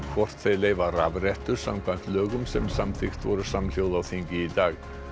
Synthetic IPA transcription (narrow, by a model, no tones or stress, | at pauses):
kʰvɔr̥t̪θeðlejvaɾa̰vɾɛht̪ʏɾ̥sawmkʰvan̥t̪lœːɣʏmsɛmsamθɪxt̪vɔɾʏsaml̥jowðawθɪŋcɪːt̪aːɣ